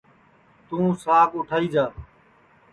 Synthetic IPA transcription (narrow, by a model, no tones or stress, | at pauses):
t̪ũːsaːkʊʈʰaːiːd͡ʒaː